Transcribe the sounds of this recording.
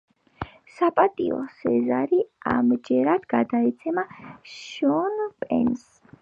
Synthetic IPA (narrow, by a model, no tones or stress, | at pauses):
sapʼat̪ʼiɔ̰sɛzaɾia̰md͡ʒɛɾad̪̥ɡad̪aɛt̪sʰɛmaʃɔnpʼɛ̰ns